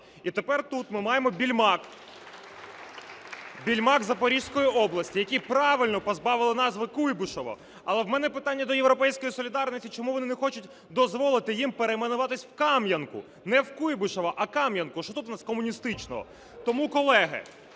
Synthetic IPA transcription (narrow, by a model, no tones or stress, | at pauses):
it̪epɛrt̪ut̪mɪmɑjemɔbʲilʲmɑk | bʲilʲmɑkzɐpɔɾʲiʃsʲkɔjiʔɔblˠɐsʲtʲijɐkʲipɾɑʋɪlʲnɔpɔzbɑʋɪlˠɪnɑzʋɪkujbʊʃɔʋɔ̰ | ɐlˠɛwmɛnɛpɪt̪anʲːɐd̪ɔjewɾɔpɛjsʲkɔjisɔlʲɪd̪ɑrnɔsʲtʲit͡ʃɔmuʋɔnɪnɛxɔt͡ʃʊtʲ | d̪ɔzʋɔlˠɪt̪ɪjimpeɾejmɐnʊʋɑt̪ɪsʲwkɑmjɐnkʊ̰ | nɛwkujbʊʃɔʋɐʔɐkɑmjɐnkʊʃt͡ʃɔt̪ut̪nɑskɔmʊnʲist̪ɪt͡ʃnɔ̰ɦɔ̰ | t̪ɔmukɔlˠɛɦɪ̰